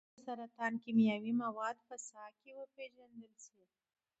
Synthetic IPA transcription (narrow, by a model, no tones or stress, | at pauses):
saɾat̪ɑnkimjawimawɑd̪pəsɑkewəpeʒand̪əlʃi